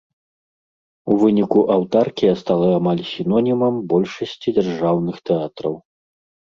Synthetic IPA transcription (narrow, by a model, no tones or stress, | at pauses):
uvɨnʲikuʔɐwt̪arkʲijɐst̪alˠɐamalʲsʲinɔnʲimɐmbɔlʲʂɐsʲt͡sʲid͡zʲɐrʐawnɨxt̪ɛat̪ɾɐ̰w